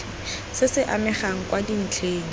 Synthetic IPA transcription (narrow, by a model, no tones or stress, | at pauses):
sɪsɪʔamɛχaŋ̩kwadin̩t͡ɬʰeːŋ̩